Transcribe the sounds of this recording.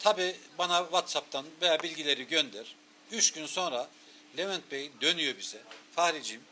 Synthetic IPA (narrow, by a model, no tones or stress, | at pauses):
t̪ʰabiːbanavat̪sap̚t̪ʰanvejaːbilʲɟilʲe̞ɾiɟønd̪ɛɾ̥ | yt͡ʃɟynso̞nɾa | lʲemɛnt̪̚bejd̪ø̞nyjo̞biz̥ɛfahɾid͡ʒim